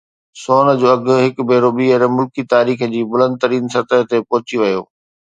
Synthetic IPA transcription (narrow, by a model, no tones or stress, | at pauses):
soːnəd͡ʑoːɐɡʊ̆ɦɪkbʱeːɾoɓiːəɾmʊlkit̪aːɾiːxəd͡ʑiːbʊlə̃nd̪̚t̪ɐɾiːnsɐt̪əɦt̪epɔɦʊt͡ɕiʋɐjo̰ː